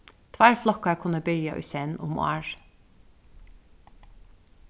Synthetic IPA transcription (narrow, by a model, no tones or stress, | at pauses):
t̪ʰvæɹflɔkaɹkʰʊnːəbɪɹjaʔʏ̰ːsɛnʊ̰mo̰ːɹ